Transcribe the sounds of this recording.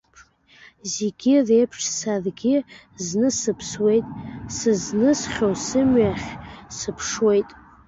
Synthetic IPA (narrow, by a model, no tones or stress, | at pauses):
zeɡʲɪrejpʰʂsarɡʲɪ | znɨsɨpʰswe̞jtʼsɨznɨsχʲowsɨmɥaχʲsɨpʰʂwe̞jtʼ